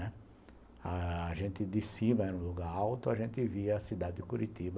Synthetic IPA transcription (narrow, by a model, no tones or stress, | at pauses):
ɛ | aːʒẽnt̪ɪd̪ɪsimɐɛɾũluɡaɾawt̪ʊaʒẽnt̪ɪviɐɐsid̪ad̪ɪkuɾit̪ibɐ